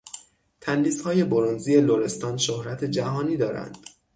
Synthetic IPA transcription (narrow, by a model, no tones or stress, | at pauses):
t̪ʰænliːshɒːje̞boɾonziːje̞loɾe̞st̪ɒːnʃohɾæt̪ʰe̞d͡ʒæɦɒːniːd̪ɒːɾæ̰nd̪̥